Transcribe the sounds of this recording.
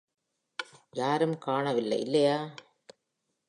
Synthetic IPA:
jaːɾɯmkaːɳɐʋɪlːɐ̰ɪʔɪlːɐjaː

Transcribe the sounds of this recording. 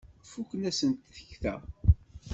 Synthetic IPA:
fukʷənæsənt̪θə̥çθæ̰

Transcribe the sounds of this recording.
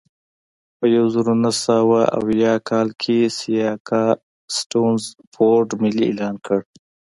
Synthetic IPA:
pəjawzəɾonasəwaʔa̰wjɑkʰɑlkʰesijɑkʰɑ | sʈonzfoɖmɪliḛlɑːnkəɽ

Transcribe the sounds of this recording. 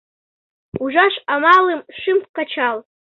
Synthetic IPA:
uʒʷaʃamalɨmʂɨmpʰʷkat͡ʃʰal

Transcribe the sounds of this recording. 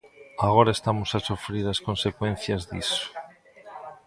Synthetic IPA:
aɣoɾaest̪amosasufɾiɾaskõnsekwen̟θjɐzðḭso̥

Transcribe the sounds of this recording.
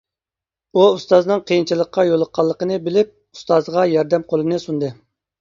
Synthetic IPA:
uːst̪ɑznɨŋqʰəjint͡ʃʰilˠəqːɑjolˠəqʰːɑlˠːəqənɨbɪlɪp̚ | u̥st̪ɑzʁɑjɑɾd̪ɛmqʰolˠɨnɨsund̪ɨ

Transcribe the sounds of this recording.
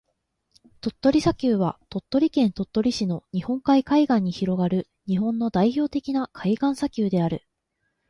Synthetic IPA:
t̪o̞t̪ːo̞ɾʲisakʲɨːβat̪o̞t̪ːo̞ɾʲikẽ̞nt̪o̞t̪ːo̞ɾʲiɕino̞ɲ̟ihõ̞ŋkaikaiɡãɲ̟ːiçiɾo̞ɡaɾɯ̟ | ɲ̟iɦõ̞nːo̞d̪aiço̞ːt̪e̞kʲinakʰaiɡãɰ̃sakʲɨːd̪e̞aɾɯ̟

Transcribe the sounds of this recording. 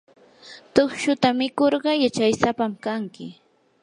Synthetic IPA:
t̪oχʃʊt̪amɪkoɾɢɑjat͡ʃajsapamkaŋkɪ

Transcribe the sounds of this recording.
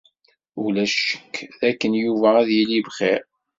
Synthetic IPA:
ulæʃə̥kːðækːənjuvææðjilivχeɾ

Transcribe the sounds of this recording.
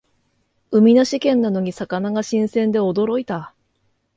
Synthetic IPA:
ɯ̟mʲinaɕikẽ̞nːano̞ɲ̟isakanaɡaɕĩɰ̃sẽ̞nd̪e̞o̞d̪o̞ɾo̞it̪a

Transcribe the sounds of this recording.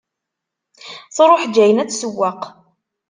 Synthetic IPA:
θɾˤoħd͡ʒːæjənæt͡sːsəwːaq

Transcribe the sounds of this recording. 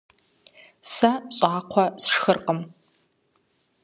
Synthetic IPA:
saɕʼaːqʷʰasʂxərqʼəm

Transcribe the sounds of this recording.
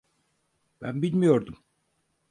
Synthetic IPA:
b̥æ̰nbilʲmijo̞ɾd̪um

